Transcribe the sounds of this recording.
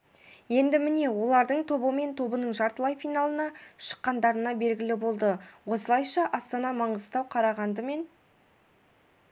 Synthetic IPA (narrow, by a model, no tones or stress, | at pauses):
je̞nd̪ɪmɪne̞wo̞lˠɑɾd̪əɴt̪ʰo̞bəme̞nt̪ʰo̞bənəɴʒɑɾt̪əlˠɑjfijnɑlˠənɑʃə̥qːɑnd̪ɑɾənɑbe̞lɡʲɪlɪbo̞lˠd̪əwo̞səlˠɑjʃɑʔɑst̪ɑnɑmɑɴəzt̪ɑwqʰɑɾɑʁɑnd̪əme̞n